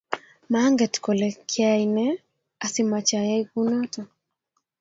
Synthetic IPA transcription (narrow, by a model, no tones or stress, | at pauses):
maŋɡɛtkɔlɛkʰiainɛ | asimat͡ʃajajkunɔtɔ